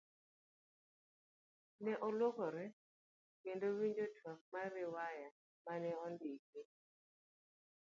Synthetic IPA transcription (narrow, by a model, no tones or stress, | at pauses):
nɛʔɔlwokɔɾɛ | kendowiɲd͡ʒotʰwamaɾɪwaja | manɛɔndikɪ